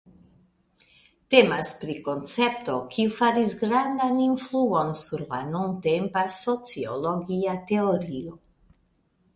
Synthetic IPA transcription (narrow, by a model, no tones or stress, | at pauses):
t̪emaspɾiko̞nt͡sep̚t̪o̞kʰiufaɾisɡɾand̪aninfluo̞nsuɾla̰nunt̪empaso̞t͡sio̰loɡiat̪eoɾio